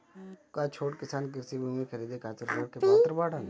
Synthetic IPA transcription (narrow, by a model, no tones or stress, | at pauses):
kat͡ʃʰoːʈkɪsaːnk̬ɪɾsibumikʰɐɾiːd̪ekaːt͡ʃəɾkəɽkepaːt̪ɾbaːɽan